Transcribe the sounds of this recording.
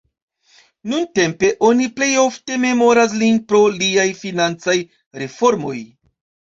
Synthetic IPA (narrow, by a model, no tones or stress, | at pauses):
nunte̞mpe̞ʔo̞niple̞jo̞fte̞me̞mo̞ɾas̬linpɾo̞liajfinant͡saj | ɾe̞fo̞ɾmo̞̰j